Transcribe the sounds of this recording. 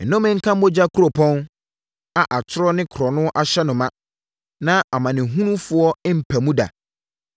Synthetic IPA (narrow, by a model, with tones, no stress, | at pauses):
n̩˨nʊ̃˦mɪ̃˦ŋ̩˦kʰã˦m˦mo˦d͡ʑa˦kʰu˦ɾo˨pʰɔ̃˦n | a˨ʔa˨t͡ɕʰɪ˦ɾɔ˦nɪ̃˦kʰɾɔ˨nʊ̃˦ʔa˨ɕɛ˦nʊ̃˨mã˦ | nã˦a˨mã˨nɪ̃˨ɦũ˦nũ˦fʊ˦ɔ˦m̩˨pʰæ˨mũ˦da̰˨